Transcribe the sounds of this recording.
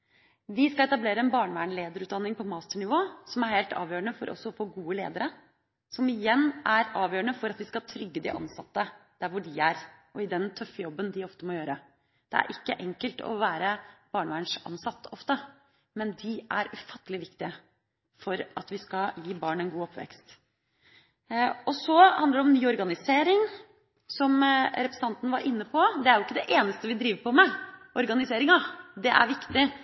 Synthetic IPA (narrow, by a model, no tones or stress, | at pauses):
ʋɪskɑɛt̪ɑbleːɾəɛnbɑːɳəʋæːɳleːd̪əɾʉːt̪d̪ɑnːɪŋpʰɔmɑːst̪əɳɪʋoːsɔmæɾheːlt̪ʰɑ̰ːʋjøːəɳəfɔɾʔɔ̰sːɔɔfoːɡuːəleːd̪əɾə | sɔmɪjɛnːʔæɾɑːʋjøːɾəɳəfɔɾɑt̪ʋɪskɑt̪ʰɾʏɡːəd̪ɪ̰ʔɑ̰nsɑt̪ːəd̪̥æɾʋʊɖɪæɾʔɔɪd̪ɛnt̪ʰœfːəjɔbːənd̪ɪɔft̪əmɔjøːɾə | d̪̥ɛ̰æ̰ɾʔɪkːəʔɛŋkəlt̪ʰɔ̰ʋæːɾəb̥ɑːɳəʋæːɳʂʔɑ̰nsɑt̪ːəɔft̪ə | mɛnd̪ɪæɾʉfɑt̪ːəlɪʋɪkt̪ɪə | fɔɾʔɑt̪ʋɪskɑjiːbɑːɳɛɪnɡuːɔpʰːʋɛ̰kst̪ | ɔsɔhɑnd̪əɖɛɔmnyːɔɾɡɑnɪseːɾɪŋ | sɔmɾɛpɾəsn̩ʰɑnt̪ənəʋɑɾʔɪnːəpʰɔd̪ɛæɾjʊɪkːəd̪ɛʔeːnəst̪əʋɪd̪ɾiːʋəɾpʰɔmɛʔɔɾɡɑnɪseːɾɪŋɑd̪ɛʔæ̰ɾʋɪkt̪ɪ